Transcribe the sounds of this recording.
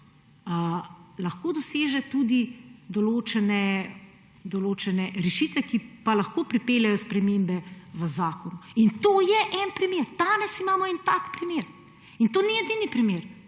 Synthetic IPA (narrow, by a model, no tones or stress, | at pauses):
əlɐxkoːd̪ɔseːʒɛt̪ud̪id̪ɔloːt͡ʃɛnɛ | d̪ɔloːt͡ʃɛnɛɾɛʃit̪ʋɛkipalɐxkoːpɾipeːljajɔspɾɛmeːmbɛʋəzaːkɔnuint̪oːjɛʔɛnpɾimeːɾd̪̥aːnɛsimaːmɔɛnt̪akpɾimeːɾ | int̪oːnijɛd̪inipɾimeːɾ